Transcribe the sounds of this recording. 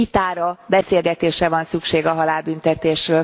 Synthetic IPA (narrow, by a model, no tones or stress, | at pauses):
it̪aːɾɒbɛseːlɡɛt̪eːʃrɛvɒnsykʃeːɡɒɦɒlaːbynt̪ɛt̪eːʃrøː